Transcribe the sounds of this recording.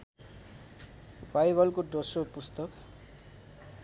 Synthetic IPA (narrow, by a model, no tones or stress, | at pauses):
bajbʌlkoɖʌsopust̪ʌk